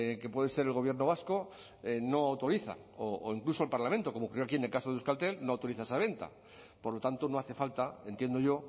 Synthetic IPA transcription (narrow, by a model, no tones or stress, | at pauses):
ke̞pwe̞ðese̞ɾe̞lɣo̞βje̞ɾno̞β̞asko | eno̞awt̪o̞ɾiθa̰ | oo̰iŋklusolpaɾlamẽnt̪o̞ko̞mokuɾrjoakie̞nelkasoðeuskalt̪e̞lno̞awt̪o̞ɾiθae̞saβ̞e̞nt̪a̰ | poɾlo̞t̪ant̪o̞no̞aθe̞falt̪ae̞nt̪je̞nd̪o̞ʝo̞